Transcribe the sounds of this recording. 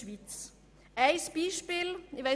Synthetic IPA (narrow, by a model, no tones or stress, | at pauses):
vit͡s | ʔaɪsb̥iːʃpiːlɪva